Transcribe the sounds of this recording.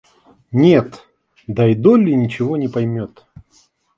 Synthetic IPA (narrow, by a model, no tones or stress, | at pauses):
nʲet̪ | d̪ɐjd̪olʲɪnʲɪt͡ɕɪvonʲɪpɐjmʲot̪